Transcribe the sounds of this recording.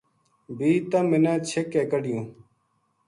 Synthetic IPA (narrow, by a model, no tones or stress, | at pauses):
biːt̪əmɪnãːt͡ɕʰekːeːkəɖɪjũː